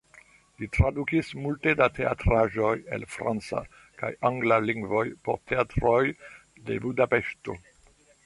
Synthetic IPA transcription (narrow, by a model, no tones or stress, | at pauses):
litɾadukismulte̞datʰe̞a̰tɾaʒo̞je̞̰lfɾa̰nt͡sa̰ | ka̰jaŋɡlaliŋɡvo̞jpoɾte̞atɾoj | de̞̰budape̞ʃto̞̰